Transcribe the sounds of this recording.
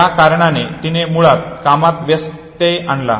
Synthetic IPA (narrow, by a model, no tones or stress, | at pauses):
jakaɾɳanet̪inemuɭat̪̚kamat̪ʋest̪ejʔaɳla̰